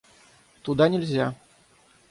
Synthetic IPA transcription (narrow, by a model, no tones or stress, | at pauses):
t̪ud̪anʲɛlʲzʲa